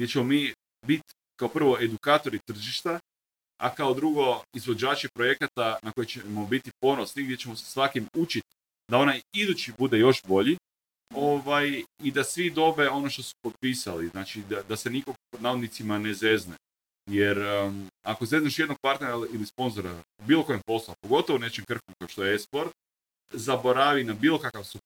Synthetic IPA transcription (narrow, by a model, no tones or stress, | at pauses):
ɡd̪ʲjet͡ɕemo̞miː | bit̪ | kaopr̩ʋo̞e̞d̪ukaːt̪o̞ɾit̪r̩ʒiʃt̪a | a̰kaod̪ɾuɡo̞izʋod͡ʒaːt͡ʃipɾo̞je̞kat̪anako̞jet͡ʃemo̞bit̪ipo̞no̞sniɡd̪ʲjet͡ʃe̞mo̞se̥sʋakimut͡ʃit̪ | d̪ao̞najid̪ut͡ʃibud̪e̞jo̞ʃbo̞ʎi | o̞ʋajid̪asʋid̪o̞be̞o̞no̞ʃt̪osu̥po̞t̪̚piːsa̰liznaːt͡ʃid̪ad̪ase̞nikoɡpod̪naod̪nit̪simaneze̞zne | jeɾakoze̞zneʃjed̪noɡ̚paɾt̪neɾalilispo̞nzo̞ɾa̰ | biːlˠo̞ko̞jempo̞slˠoapo̞ɡo̞t̪o̞ʋone̞t͡ʃemkr̩komkaoʃt̪ojeespo̞ɾt̪̚ | zabo̞ɾaʋinabiːlˠo̞kakaʋsu